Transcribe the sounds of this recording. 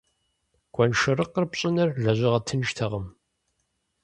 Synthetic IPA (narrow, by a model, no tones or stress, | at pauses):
ɡ̥ʷʼɔnʃɪrəqːərpɕʼɪnɐrɮɐʑʷɪʁɐtʰɨnʒtʰɐʁəm